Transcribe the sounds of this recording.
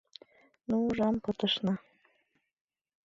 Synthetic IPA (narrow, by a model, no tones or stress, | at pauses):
nuuʒɑmpɤt̪əʃnɤ̆